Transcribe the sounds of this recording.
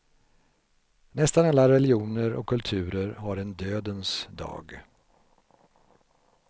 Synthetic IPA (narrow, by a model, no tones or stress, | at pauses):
nɛst̪analːaɾɛlɪuːnəɾʔɔ̰kʰːɵlt̪ʰʉ̟ːɾəɾɦaɾɛnd̪øːd̪ənsd̪ɑ̰ːɡ